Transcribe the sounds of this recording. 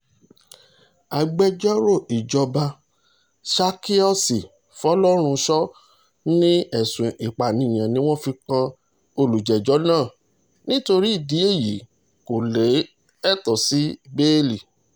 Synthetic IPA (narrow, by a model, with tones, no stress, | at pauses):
a˨ɡ͡bɛ˧d͡ʒɔ˦ɾo˦˨i˨d͡ʒɔ˧ba˧ | ʃa˧ki˦ɔ˦si˨ | fɔ˦lɔ˦ɾ̃ũ˧ʃɔ˦ | nĩ˦ɛ˨sũ˨ʔi˨k͡pa˨nĩ˨j̃ã˨nĩ˦w̃ɔ̃˦fi˧kã˧ | o˧lu˨d͡ʒɛ˨d͡ʒɔ˨˦nãː˦˨ | nĩ˦to˧ɾi˦i˦˨di˨˦e˦˨ji˨˦ | ko˨le˨˦ | ɛ˦˨tɔ˨si˨˦be˦li˨